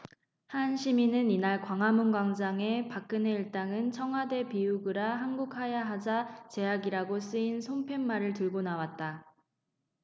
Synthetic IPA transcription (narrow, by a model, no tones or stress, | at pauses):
hanɕʰiminɯninaɭkwaŋɦamunɡwaŋd͡ʑaŋe̞pak̚k͈ɯne̞iɭt͈aŋɯnt͡ɕʰʌŋɦwade̞piuɡɯɾaɦanɡuk̚ʰhajaɦad͡ʑat͡ɕe̞aɡiɾaɡos͈ɯinsʰompʰe̞mːaɾɯɭtɯɭɡonawat̚t͈a